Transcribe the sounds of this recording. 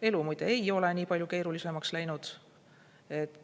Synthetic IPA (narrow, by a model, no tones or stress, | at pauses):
e̞lumujd̪̥eejo̞le̞niːpɑlʲjuke̞ːɾulise̞mɑkslæjnud̪̥ | e̞t̪ː